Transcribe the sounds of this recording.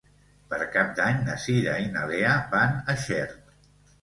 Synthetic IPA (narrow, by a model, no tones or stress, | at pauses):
pəɾkap̚d̪aɲnəsiɾainaleabanəʃɛɾt̪